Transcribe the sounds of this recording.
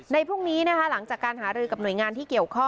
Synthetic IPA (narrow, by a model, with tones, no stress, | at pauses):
na˧jpʰu˥˩ŋniː˦˥na˦˥kʰa˦˥la˩˦ŋt͡ɕaː˨˩kːaː˧nɦaː˩˦ɾɯː˧ka˨˩p̚nu˨˩jŋaː˧nt̪ʰiː˥˩ki˨˩əwkʰɔ˥˩